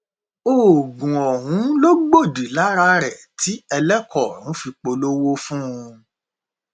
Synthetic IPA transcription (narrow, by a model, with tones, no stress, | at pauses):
o˨ɡũ˨ɔ˨ɦũ˨˦lo˦ɡ͡bo˦˨di˨la˨˦ɾa˧ɾɛ˨ | tʰi˨˦ɛ˧lɛ˦kɔ˦˨ñũ˨˦fi˧k͡po˧lo˦wo˦fũ˦ũ˧